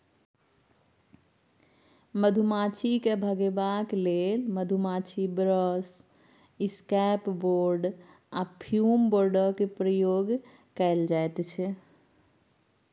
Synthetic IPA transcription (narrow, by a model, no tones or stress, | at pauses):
məd̪ʱumat͡ʃʰikebʱəɡebaklelməd̪ʱumat͡ʃʰibɾəs | iskɛpboɾɖ | apʰjumboɾɖəkepɾəjoɡ | kəeld͡ʒajt̪t͡ʃʰɛ